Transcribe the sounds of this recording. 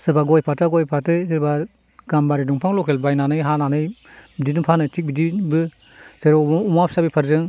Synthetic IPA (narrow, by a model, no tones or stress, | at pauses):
sɯɾbaɡɔjpʰataɡɔjpʰatɯsɯɾba | ɡambaɾiduŋpʰaŋlɔkʰelbajnanɯjɦananɯjbidinupʰanɯtʰik̚bidibɯ | seɾɔumapsabipʰaɾzɯŋ